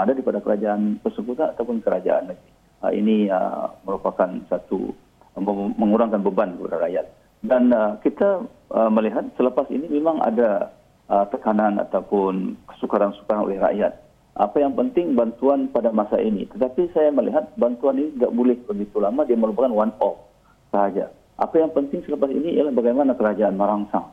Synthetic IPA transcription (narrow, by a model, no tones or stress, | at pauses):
adadipadakəɾad͡ʒaant̪ərsəkut̪anat̪awpʊnkəɾad͡ʒa̰ʔa̰naɡi | ə̰ḭniə̰məɾupakansat̪ṵ | əməŋuɾaŋkanbəbankəpadaɾa̰ʔjat̪̚ | danəkit̪a | əməliɦat̪̚sələpasḭnimemaŋa̰da | ət̪əkanana̰t̪awpʊnkə̥sukaɾansu̥kaɾano̰lɛhra̰ʔjat̪̚ | ʔa̰pajaŋpənt̪ɪŋbant̪uanpadamasaʔinḭt̪ət̪apisajaməlḭɦat̪̚bant̪uaninit̪ida̰ʔbulɛhbəɡit̪ulamadiaməlupakanwanɔf̚ | səɦad͡ʒa̰ | ʔa̰pajaŋpənt̪ɪŋsələpasḭnḭːjalahbaɡajmanakəɾad͡ʒaanməɾaŋsaŋ